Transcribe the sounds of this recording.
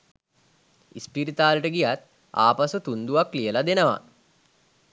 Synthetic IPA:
ispiɾit̪aːləʈəɡijat̪ | a̰ːpasut̪und̪uʋaklijəlad̪enəʋa̰

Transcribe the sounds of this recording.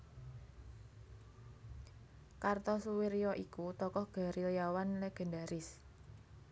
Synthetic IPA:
kart̪ɔsuwiɾiɔʔikut̪ɔkɔhɡ̥a̤ɾiljawanlɛɡ̥ə̤nda̤ɾɪs

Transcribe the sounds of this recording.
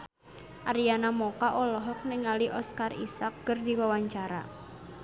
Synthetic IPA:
ʔaɾijanamɔkaʔɔlɔɦɔk̚nɪŋaliʔɔskarḭsak̚ɡ̥ərdiwawaɲt͡ʃaɾa̰

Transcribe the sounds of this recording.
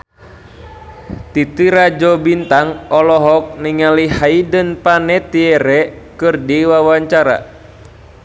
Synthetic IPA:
t̪it̪iɾad͡ʒɔbint̪aŋɔlɔɦɔk̚niŋalihaidənpanɛt̪iɛɾɛkɨrdiwawaɲt͡ʃaɾa̰

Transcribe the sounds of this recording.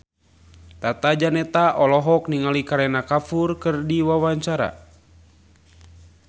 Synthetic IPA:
t̪at̪ad͡ʒanɛt̪aʔɔlɔɦɔkniŋalikaɾɛnakafurkɨrdiwawaɲt͡ʃaɾa̰

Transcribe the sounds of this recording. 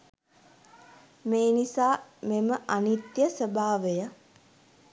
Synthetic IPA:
meːnisaːmeməʔanit̪jəsəbʱaːʋejə

